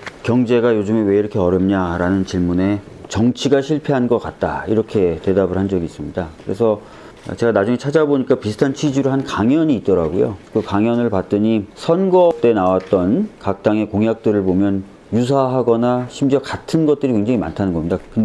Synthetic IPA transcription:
kjʌŋd͡ʑe̞ɡajod͡ʑumewe̞iɾʌkʰe̞ʌɾjʌmɲaɾanɯnt͡ɕiɭmune̞ | t͡ɕʌŋt͡ɕʰiɡaɕʰiɭpʰe̞ɦanɡʌk͈at̚t͈a̰iɾʌkʰe̞te̞dabɯɭɦand͡ʑʌɡiːs͈ɯmɲidakɯɾe̞sʰʌ̰ | t͡ɕe̞ɡanad͡ʑuŋe̞t͡ɕʰad͡ʑaboɲik͈apisʰɯ̥tʰant͡ɕʰɥid͡ʑuɾɯɭɦankaŋjʌɲiːt̚t͈ʌɾaɡojo̰kɯkaŋjʌnɯɭpat̚t͈ɯɲisʰʌnɡʌt͈e̞nawat̚t͈ʌnkak̚t͈aŋe̞koŋjak̚t͈ɯɾɯɭpomjʌn | jus̬ʰaɦaɡʌnaɕʰimd͡ʑʌkatʰɯnɡʌt̚t͈ɯɾikweŋd͡ʑaŋima̰ntʰanɯnɡʌmɲidakɯnde

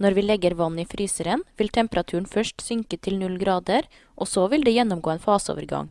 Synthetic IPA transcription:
nɔɾʋiːlɛɡːəɾʋɑn̩ːiːfɾʔyːsəɾənʋɪlt̪ʰɛmpəɾɑt̪ʰʉːɳ̩fœʂʈsʏŋkət̪ʰɪlnʉlɡɾɑːd̪əɾ | ʔosɔʋɪld̪eːjɛnːʊmɡoːeːnfɑːsəo̰ːʋəɾɡɑ̰ŋ

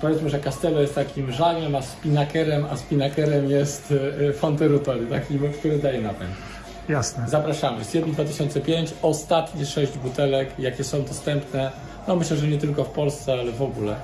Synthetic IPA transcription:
pɔvʲɛt̪mɘʐɛkast̪ɛlɔjɛst̪t̪akʲimʐaɡʲɛmaspʲinakɛɾɛmaspʲinakɛɾɛmjɛst̪fɔnt̪ɛɾut̪ɔɾʲjut̪akʲimkt̪uɾɨd̪ajɛnapɛ̰ŋk | jasnɛzapɾaʂamɘ̰sfʲɛt̪ɲid̪vat̪ɘɕɔnt̪sɛpʲjeɲt͡ɕɔst̪at̪ɲiʂɛʑd͡ʑbut̪ɛlɛkjakʲɛsɔ̃w̃d̪ɔst̪ɛmpnɛ | nɔmɘɕlɛʐɛɲɛt̪ɘlkɔfpɔlst̪sɛalɛvɔɡulɛ̰

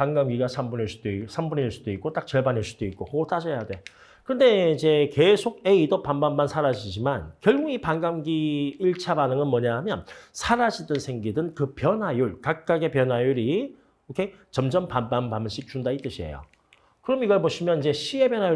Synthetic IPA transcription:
paŋɡamɡiɡasʰambuneɭs͈u̥d̥oisʰambuneɭs͈u̥doik͈ot͈ak̚t͡ɕʌɭbaneɭs͈u̥d̥oik̚k͈ohoɡoɭt͈ad͡ʑʌjadwe̞ | kɯnde̞id͡ʑe̞ke̞sʰoɡe̞idopanbanbansʰaɾad͡ʑid͡ʑimankjʌɭɡuɡipaŋɡamɡiːɭt͡ɕʰabanɯŋɯnmwʌɲaɦamjʌnsʰaɾad͡ʑidɯnsʰe̞ŋɡidɯnkɯpjʌnɦajuɭkak̚k͈aɡepjʌnajuɾi | okʰe̞ | t͡ɕʌmd͡ʑʌmpanbanbamnɕʰik̚t͡ɕundait͈ɯɕʰiḛjo̰ | kɯɾʌmiɡʌɭboɕʰimjʌnid͡ʑe̞ɕʰie̞bjʌnɦaju

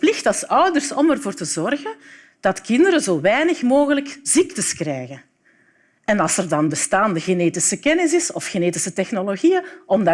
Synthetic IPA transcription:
plɪxtɑlˠsœwdərsɔmɛrvoːrtəzɔrɣən | d̥ɑtkɪndəɾəzoːʋɛːjnəxmoːɣələkz̥ik̚təskrɛjɣən | ɛnɑlˠsɛrdɑnbəstaːndəɣeneːtɪsəkɛnɪsɪsɔfxeneːtɪsətɛxnoloɣijəʔɔmda

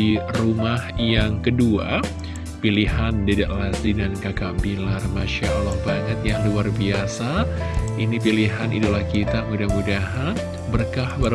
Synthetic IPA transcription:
irumahjaŋkədua̰ | pilihandidaʔlasidankakaʔbilarmaʃaʔlɔhbaŋət̪̚jaŋluarbiasainipiliɦanḭdulahkit̪amudahmudaɦan | bərkahbaɾ

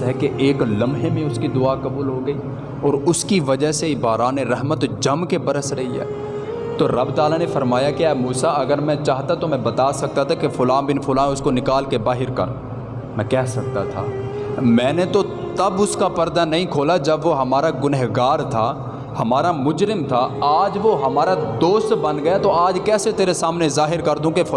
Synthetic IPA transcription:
ɦɛkeʔeːklɐmɦemẽʊskid̪ʊaːkɐbuːlɦoɡɐiː | ɔːɾʊskiʋɐd͡ʒəɦsebaːɾaːneɾɛɦmət̪d͡ʒɐmkebɐɾəsɾɐɦiɦɛ̰ː | t̪oɾɐbd̪aːlanefɐɾmaːjakeɛːmuːsaɐɡəɾmɛ̃t͡ʃaːɦt̪at̪omɛ̃bɐt̪aːsɐk̚t̪at̪ʰakefʊlãːnbɪnfʊlãːʊskonɪkaːlkebaːɦɪɾkɐ̰ɾ̰̃ | mɛ̃kɛːɦsɐk̚t̪a̰t̪ʰa̰ː | mɛ̃ːnet̪o | t̪ɐbʊskapɐɾd̪anɐɦĩkʰoːlad͡ʒɐbʋoɦɐmaːɾaɡʊnəɦɡaːɾt̪ʰaː | hɐmaːɾamʊd͡ʒɾɪmt̪ʰaaːd͡ʒʋoɦɐmaːɾad̪oːst̪bɐnɡɐjat̪oaːd͡ʒkɛːset̪eːɾesaːmnezaːɦɪɾkɐɾd̪ũkefʊ

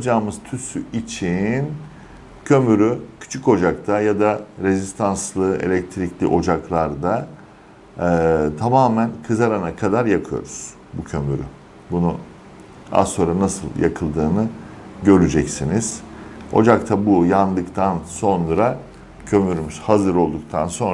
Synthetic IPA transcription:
d͡ʒaːmɯz̥t̪ʰysyit͡ʃʰin | cʰø̞myɾycʰy̥t͡ʃʰy̥co̞d͡ʒak̚t̪ʰajad̪aɾe̞zist̪ʰanslˠɯʔe̞̰lʲɛc̚t̪ʰɾiclʲḭʔo̞d͡ʒaklˠaɾd̪a | t̪ʰamaːmænkʰɯzaɾanakʰad̪aɾjakʰɯjo̞̰ɾuz̥ | bucʰø̞my̰ɾy̰ | bunu | a̰so̞nɾanasɯlˠja̰kʰɯlˠd̪ɯːnɯɟø̞ɾyd͡ʒɛcsiniz̥o̞̰d͡ʒakt̪ʰabujand̪ɯkt̪ʰanso̞nɾa | cʰø̞myɾymyz̥hazɯɾo̞lˠd̪uk̚t̪ʰanso̞n

